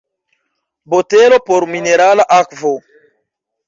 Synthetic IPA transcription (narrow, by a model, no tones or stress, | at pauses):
botelo̞poɾmineɾalaʔakvo